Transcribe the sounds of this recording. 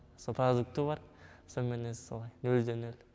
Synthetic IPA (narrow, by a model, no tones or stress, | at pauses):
sopʰrod̪uk̚t̪ubɑɾsonmenesolˠɑjnɵld̪enel